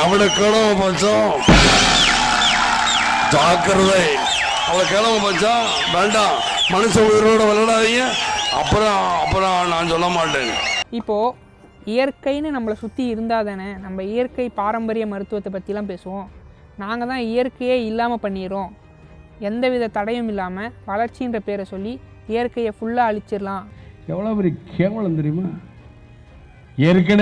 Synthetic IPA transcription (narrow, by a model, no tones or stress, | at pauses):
ɐʋɪɽɐkeːɽɐmɐ̃paːt͡ʃːõ | d͡ʒaːkɐɾɐðɐɪ | ɐʋlɐkeːɽɐmɐ̃paːt͡ʃːãː | ʋeːɳɖãː | mɐnɯsɐʊjɪɾoːɽɐʋɐɭlːɐɽaːðɪŋɡɐ̃ɐ̰pːɯɾɔ̃ɐpːɯɾɔ̃nãːsɔlːɐmaːʈːẽːnɪpːoː | ɪjɐɾkɐɪnɯnɐmːɐɭɐsʊt̪ːiɪɾɯnd̪aːðɐnɐnɐmbɐɪjɐɾkɐɪpaːɾɐmbɐɾɪjɐmɐɾɯt̪ːɯʋɐt̪ːɐpːɐt̪ːɪjlãːp̬eːsɯʋõː | naːŋɡɐt̪ãːɪjɐɾkɐjeːɪlːaːmɐpɐɳːɪɾõː | ɛnd̪ɐʋɪðɐt̪ɐɽɐjɯmɪlːaːmɐʋɐlɐɾt͡ʃːɪɪndrɐpeːɾɛsɔlːi | ɛjɐɾkɐjɐfʊɭːɐɐɻɪt͡ʃːɪɾlãːɛʋːɐɭoːpɛɾikʰeːʋɐɭnd̪ɛɾɪjmaː | ɛɾɯk̬ːɐn